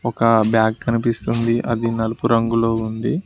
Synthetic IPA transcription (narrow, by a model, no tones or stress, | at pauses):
ɔkɐbjaːɡ̚ːɐnipist̪und̪iʔɐd̪inɐlupuɾɐŋɡulo̞ːund̪i